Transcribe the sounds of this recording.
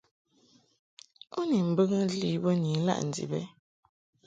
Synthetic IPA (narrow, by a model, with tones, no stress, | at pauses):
u˦ni˨m̩˨bə˦ŋ˦li˦bɔ˦ni˨˦la̰˦ʔn̩˨d͡zḭ˨bɛ˦